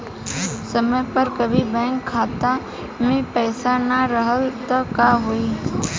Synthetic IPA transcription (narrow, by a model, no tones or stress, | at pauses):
səməjpəɾkəbʱibɛ̃ːŋkʰːaːt̪a | mẽpɛːsanaɾəɦəlt̪akaːɦoːiː